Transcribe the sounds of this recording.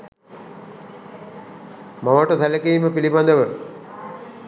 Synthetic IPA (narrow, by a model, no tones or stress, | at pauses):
maʋəʈət̪ʰaləkiːməpilibad̪əʋə